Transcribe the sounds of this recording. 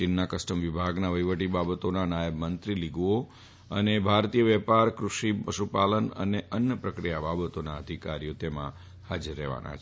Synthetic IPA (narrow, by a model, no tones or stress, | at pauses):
t͡ʃɪnːakəsʈəmʋibʱaɡnaʋəjʋəʈibabət̪onanajəbmənt̪ɾiliɡuo | ənebʱaɾt̪ijəʋɛpaɾkɾuʃipəʃupalənə̰neʔənjəpɾəkɾijababət̪onaəd̪ʱikaɾijot̪emã̰ | had͡ʒəɾːɛʋa̰nʔa̰t͡ʃʰ